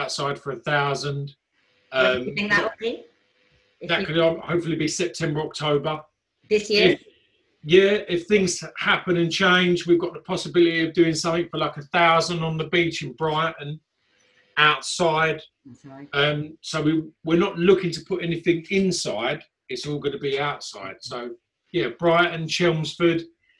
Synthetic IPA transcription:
aʊtsaɪd̥fəɹəθaʊzə̃nd̥ | ʌ̃mɪ̃ŋə | ðəʔkʰədhəʊpfəl̩ˠibisɛp̚tʰɛ̃mbəɹɒk̚tʰəʊbə | ðɪsɪf | jæɪfθɪ̃ŋz̥hapə̃nə̃nt͡ʃʰẽɪ̃nd͡ʒwivɡɒʔðəpʰɒsəbɪlɪtiəvdʉːɪ̃ŋsʌ̃mθɪ̃ŋfəlaɪkəθaʊzə̃ndn̩ðəbiˑt͡ʃɪ̃nbɹaɪʔn̩ | aʊtsaɪd̥ | ʌ̃msəʊwɪwɪɹnəʔlʊkɪ̃ŋtʰəpʰʊtɛnɪθɪ̃ŋɪ̃nsaɪd | ɪtsɔːlˠɡʌnəbiaʊtsaɪd̥səʊ | jæb̥ɹaɪʔn̩t͡ʃʰɛlˠmz̥fəd̥

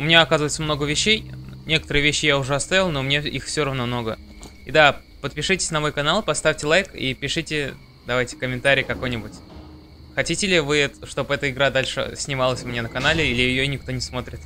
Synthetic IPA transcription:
ʊmʲɪnʲaɐkazəvəɪt̪səmnoɡəvʲɪɕːejnʲe̞kə̥t̪əɾɨjvʲeɕːɪjaʊʐɛɐst̪avʲɪlˠnomnʲeixfsʲoɾɐvno̞mno̞ɡə | id̪a | pət̪̚pʲɪʂɨtʲɪ̥sʲnɐmo̞jkɐnalˠpɐst̪afʲtʲɪlˠajkḭpʲɪʂɨtʲɪ | d̪ɐvajtʲɪ̥kəmʲɪnt̪aɾʲɪjkɐko̞jnʲɪbʊtʲ | xɐtʲitʲɪlʲɪvɨɛt̪ʂt̪o̞pɛt̪əɪɡɾad̪alʲʂɨ̰sʲnʲɪmalˠəsʲʊmʲnʲenəkɐnalʲɪilʲɪjɪjonʲɪkt̪o̞nʲɪsmo̞t̪ɾʲɪt̪

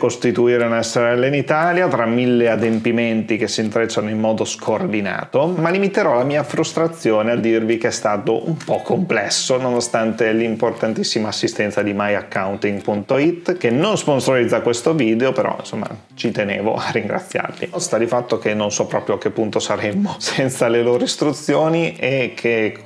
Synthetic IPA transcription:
kost̪it̪uiːɾeunɛsːeɾɛlːeinit̪aːljat̪ɾamːilːead̪empiment̪ik̟esːint̪ɾet͡ʃːanoimːɔːd̪oskʰoːrd̪ina̰ːt̪omalimit̪eɾɔlamiːafɾust̪ɾat̪sːjoːnead̪ːirvikeɛst̪aːt̪oʔumpɔkʰːomplɛsːononost̪ant̪elimport̪ant̪isːimaːsːist̪ɛnsad̪imajakːawnt̪iŋɡpunt̪oit̪ːk̟enonsponsoɾid̪zːakwest̪oviːd̪eopeɾɔ̰ḭnsomːa̰ | t͡ʃit̪enḛːvo̰arːiŋɡɾa̰t̪sːja̰rt̪ḭst̪ad̪ifat̪ːok̟enːonsɔpːɾɔːpɾjoak̟ːepːunt̪osaɾemːosɛnt̪saleloːɾoist̪ɾut̪sːjoːniekʰːe

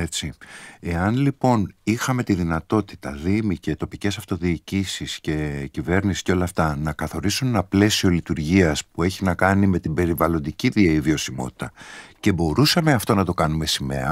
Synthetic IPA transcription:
et͡sie̞ɐnlipo̞nixɐme̞t̪iðinɐt̪o̞t̪i̥t̪ɐðimice̞t̪o̞pice̞sɐft̪o̞ðiːcisisce̞cive̞ɾnisi̥sceo̞lɐːft̪ɐnɐkɐθo̞ɾisune̞nɐple̞sio̞lit̪uɾʝiɐspue̞çinɐkɐnime̞t̪ibe̞ɾivɐlo̞nd̪iciðieivio̞simo̞̰t̪i̥t̪ɐce̞bo̞ɾusɐme̞ɐft̪o̞nɐt̪o̞kɐnume̞sime̞̰ɐ

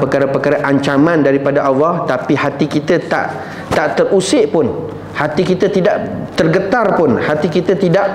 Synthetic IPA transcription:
pəkaɾapəkaɾaʔaɲt͡ʃamãndaɾipadaʔɑlːɑht̪apihat̪ikit̪at̪a̰ʔ | t̪aʔt̪ərʔusɪʔpʊn | hat̪ikit̪at̪idaʔt̪ərɡət̪arpʊnhat̪ikit̪at̪idaʔ

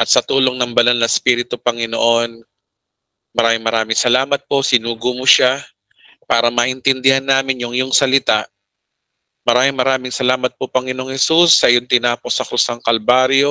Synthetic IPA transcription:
ʔɐt̪̚sɐt̪uːlo̞ŋnɐŋbɐlɐlnɐspiːɾɪt̪ʊpɐŋɪno̰ʔo̞n | mɐɾaːmɪŋmɐɾaːmɪŋsɐlaːmɐt̪̚po̞sɪnuːɡʊmoʃa | paːɾɐmɐʔɪnt̪ɪnd̪ɪhanːaːmɪnjʊŋjʊŋsɐlɪt̪aʔ | mɐɾaːmɪŋmɐɾaːmɪŋsɐlaːmɐt̪̚popɐŋɪno̞ŋhɛsusːɐʔɪjo̞nt̪ɪnaːpo̞sɐkɾʊsɐŋkɐlbaːɾjo̞

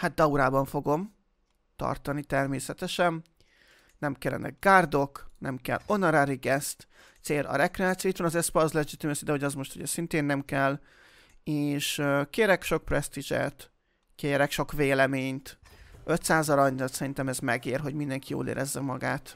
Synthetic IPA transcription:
hat̪̚d̪ɒuɾaːbɒɱfo̞ɡo̞m | t̪ɒ̰rt̪ɒnit̪ɛrmeːsɛt̪ɛʃɛn | nɛmkɛlːɛ̰nɛ̰ɡ̚ɡaːrd̪o̞knɛmkɛ̰lo̞nɒɾaɾiɡɛst̪ | t̪seːlʔɒ̰ɾɛkrɛaːt̪sioit̪ʋɒnɒzɛspɒzlɛd͡ʒit̪imɛsid̪ɛɦo̞ɟɒzmo̞ʃt̪uɟɛsint̪eːnːɛmkɛl | eːʃkeːɾɛkʃo̞k̚prɛst̪iʒɛ̰t̪ | keːɾɛkʃo̞kveːlɛmeːɲt̪ʔø̞t̪saːzɒɾɒɲd̪ɒt̪sɛɾint̪ɛmɛzmɛɡeːrɦo̞ɟmind̪ɛŋkijo̰ːlḛːɾʔɛzːɛmɒɡaːt̪

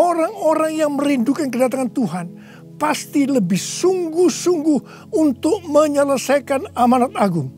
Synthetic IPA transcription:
oɾaŋoɾaŋjaŋməɾindukankədat̪aŋant̪uɦan | past̪iləbɪhsuŋɡʊhsuŋɡʊh | unt̪ʊk̚məɲələsajkanamanat̪̚aɡʊŋ

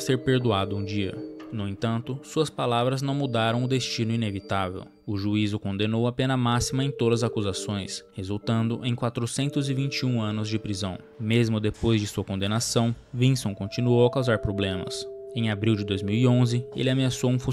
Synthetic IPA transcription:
seɾpeɾd̪uad̪ʊũd͡ʒiɐ̰nʊẽt̪ɐ̃nt̪ʊsuɐspalavɾɐznɐ̃w̃mud̪aɾɐ̃w̃ʊd̪est͡ʃinʊinevit̪avḛw | ʊʒuizʊkõnd̪enowapẽnɐmasimɐẽj̃t̪od̪ɐzakuzasõj̃shezuwt̪ɐ̃nd̪ʊʔẽj̃kwat̪ɾʊsẽnt̪ʊzɪvĩt͡ʃiũɐ̃nʊzd͡ʒɪpɾizɐ̰̃w̃ | mezmʊd̪epojzd͡ʒɪsuɐkõnd̪enasɐ̃w̃ | vĩsõw̃kõt͡ʃinuowɐkawzaɾpɾoblẽmɐ̰sẽj̃abɾiwd͡ʒɪd̪ojzmiwiõzɪḛlɪameasowũfũ

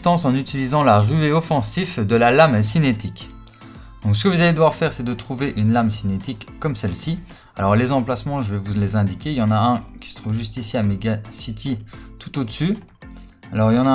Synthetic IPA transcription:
t̪ɑ̃sɑ̃nyt̪ilizɑ̃laʁyeɔfɑ̃sifd̪əlalamsinet̪ik | d̪̥ɔ̃ks̬ə̥kəvuzaled̪əwaʁfɛːʁsɛd̪ət̪χuveʔynlamsinet̪ikːɔmsɛlsi | alɔʁlezɑ̃plasmɑ̃ʒəvɛvulezɛ̃d̪ikʲeljɑ̃naɛ̃kʲi̥sə̥t̪χuvʒyst̪isiameɡasit̪ʰit̪ut̪od̪əsy | alɔʁljɑ̃na

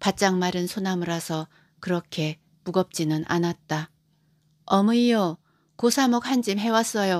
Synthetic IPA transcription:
pat̚t͡ɕ͈aŋmaɾɯnsʰonamɯɾasʰʌ | kɯɾʌkʰe̞ | muɡʌp̚t͡ɕ͈inɯnʔa̰nat̚t͈a | ʌmɯijʌ | kosʰamok̚hand͡ʑimɦe̞was͈ʌjo

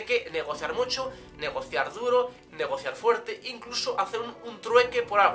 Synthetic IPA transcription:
keneɣ̞o̞θjaɾmut͡ʃo | ne̞ɣ̞o̞θjaɾðuɾo | neɣ̞o̞θjaɾfweɾt̪eʔiŋklusoʔaθeɾununt̪ɾwekepoɾalɣ

